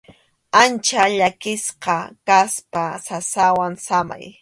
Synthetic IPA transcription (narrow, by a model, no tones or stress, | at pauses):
ant͡ʃaʎakɪsqɑkaspasasawaŋsama̰j